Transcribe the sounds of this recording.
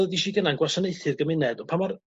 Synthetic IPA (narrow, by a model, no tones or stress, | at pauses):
diʃiːɡənanɡwasɔneɨθɨrɡəmɪnɛdɔpʰamar